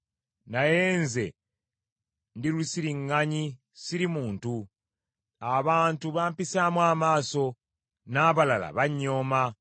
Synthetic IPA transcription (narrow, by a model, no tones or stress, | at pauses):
naje̞ːnze̞ | ndilusiɾiŋːaɲi | siɾimuːntu | aβaːntuβaːmpisaːmwaːmaːso̞ | naːβalala̰βaɲːo̞ːma